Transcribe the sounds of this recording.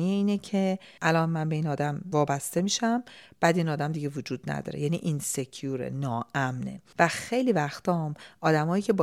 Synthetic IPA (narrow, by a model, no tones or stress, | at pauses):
ijeiːnecʰe̞ | ʔælɒnmænbe̞iːnɒːd̪æmvɒːbæst̪e̞miːʃæmb̥æːd̪inɒːd̪æmd̪iɟe̞vod͡ʒuːd̪næ̰d̪ɒ̰ːɾejæniːʔinsecʰjuɾḛnɒːʔæmnḛvæxe̞jliːvæxt̪ʰɒmʔɒːd̪æmɒːjiːcʰe̞bː